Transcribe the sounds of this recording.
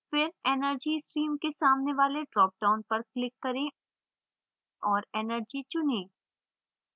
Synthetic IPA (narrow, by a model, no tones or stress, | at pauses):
fɪɾɛːnəɾd͡ʒisʈɾiːmkesaːmneʋaːleɖɾɔːp̚ɖaːʊnpɐɾklɪkːɐɾẽ | ɔːɾɛːnəɾd͡ʒit͡ʃʊnẽː